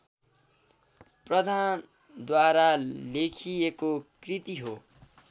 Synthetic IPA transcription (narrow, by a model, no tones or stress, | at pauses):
prʌd̪ʱan | d̪waɾalekʰijekokrit̪iɦo